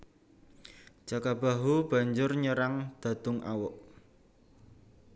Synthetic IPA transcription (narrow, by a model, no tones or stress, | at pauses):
d͡ʒ̥akab̥a̤ɦub̥a̤ɲd͡ʒʊrɲəɾaŋd̪̥a̤d̪̥ʊŋʔa̰wʊʔ